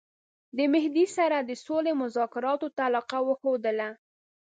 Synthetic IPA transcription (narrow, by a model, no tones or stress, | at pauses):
d̪əmɪhd̪isaɾad̪əsolemʊzɑkɪɾɑt̪ot̪alɑqawəxod̪əla